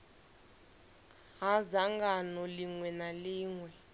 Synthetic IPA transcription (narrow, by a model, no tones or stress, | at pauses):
ɦazaŋɡanɔliŋwɛnaliːŋwɛ